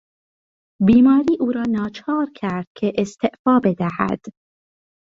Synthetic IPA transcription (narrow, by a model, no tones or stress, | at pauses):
biːmɒːɾiːʔuːɾɒːnɒːt͡ʃʰɒːɾkʲʰæɾd̪̥̚kʲʰeʔest̪ʰeʔfɒːbe̞d̪æhæ̰d̪̥